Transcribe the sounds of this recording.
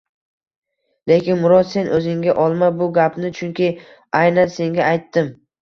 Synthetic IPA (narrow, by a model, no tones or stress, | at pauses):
le̞kʲɪnmʊɾɒd̪se̞nʔɵzɪŋɡʲaʔɒlˠmabʊɡʲapnɪt͡ʃʰʊŋkʲʰɪ | ajnanse̞ŋɡʲaːjt̪ːɪm